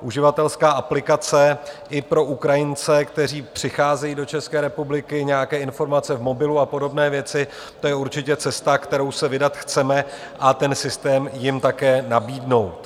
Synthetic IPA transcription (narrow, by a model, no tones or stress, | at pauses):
ʔuʒɪvat̪ɛlskaːʔaplɪkat͡sɛʔɪpɾo̞ʔukɾajɪnt͡sɛkt̪ɛr̝iːpr̝̥ɪxaːzɛjiːdo̞t͡ʃɛskɛːɾɛpublɪkɪɲɛjakɛːɪnfo̞ɾmat͡sɛvmo̞bɪluapo̞do̞bnɛːvjɛt͡sɪ | t̪o̞jɛuɾt͡ʃɪcɛt͡sɛst̪akt̪ɛɾo̞wsɛvɪdat̪xt͡sɛmɛ | ʔat̪ɛnsɪst̪ɛːmjɪmt̪akɛːnabiːdno̞wt̪